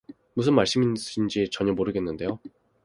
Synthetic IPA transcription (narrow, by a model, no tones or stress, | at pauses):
mus̬ʰɯnmaɭs͈ɯmiind͡ʑit͡ɕʌɲʌmoɾɯɡe̞nːɯnde̞jo